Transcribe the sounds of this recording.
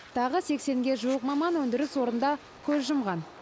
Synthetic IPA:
t̪ʰɑʁəse̞kse̞ŋɡʲe̞ʒuwəq̚mɑmɑnwɵnd̪ɪɾɪswo̞ɾənd̪ɑ | kʲʰɵzʒəmʁɑn

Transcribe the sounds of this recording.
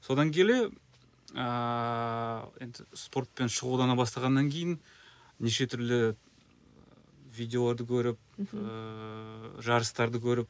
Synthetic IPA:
so̞d̪ɑŋkʲʰe̞le̞ | ə | e̞nd̪ɪspo̞rt̪̚pe̞nʃəʁud̪ɑnɑbɑst̪ɑʁɑnːɑŋkʲʰejɪn | neʃe̞t̪ʰʏɾlɪ | vʲijd̪ʲeo̞lˠɑɾd̪əkʲʰɵɾɪp̚ | ʒɑɾəst̪ɑɾd̪əkʲʰɵɾɪp̚

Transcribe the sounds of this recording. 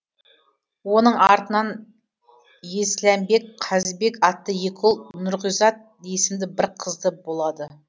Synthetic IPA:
wo̞nəɴɑɾt̪ənɑn | je̞slæmbe̞kqʰɑzɪbe̞kɑt̪ːəjekʲʰolˠnʊɾʁijzɑt̪̚ | esɪmd̪ɪbɪɾqʰəzd̪əbo̞lˠɑd̪ə

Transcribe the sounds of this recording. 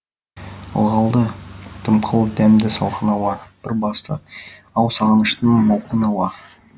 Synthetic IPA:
ə̰lˠʁɑlˠd̪əd̪̥ʰəmqʰəlˠd̪æmd̪ɪsɑ̰lˠqənɑwɑɾb̥ɪɾbɑst̪ə̰ | ɑwsɑʁɑnəʃt̪əɴmɑwqənɑwɑ

